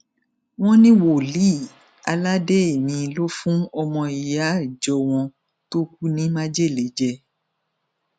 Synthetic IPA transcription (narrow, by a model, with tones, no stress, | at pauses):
w̃ɔ̃˦nĩ˦wo˨li˨˦˨ | a˧la˦de˦e˨mĩ˧lo˦fũ˦ɔ˧mɔ̃˧i˨ja˨˦˨d͡ʒɔ˧˦w̃ɔ̃˧ | to˦k̚u˦nĩ˦mã˦d͡ʒe˦˨le˨˦d͡ʒɛ˧